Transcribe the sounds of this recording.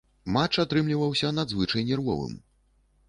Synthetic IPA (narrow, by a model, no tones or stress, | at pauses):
mat͡ʂat̪ɾɨmlʲivɐwsʲɐnad̪zvɨt͡ʂɐjnʲɛrvɔ̰vɨ̰m